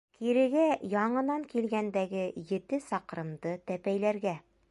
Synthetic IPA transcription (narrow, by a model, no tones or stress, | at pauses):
kiɾɘ̆ɡæjɒɴɤ̆nɑŋkilɡænd̪æɡɘjɘ̆t̪ɘsɑqɾɤ̆md̪ɤt̪æpæjlæɾɡæ